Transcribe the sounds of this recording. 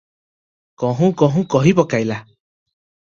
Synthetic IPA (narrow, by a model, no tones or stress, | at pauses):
kɔ̃ɦũkɔɦũkɔɦipɔkaila